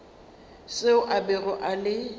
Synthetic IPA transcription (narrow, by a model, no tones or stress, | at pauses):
sɪʊʔabɛrɔʔalɪ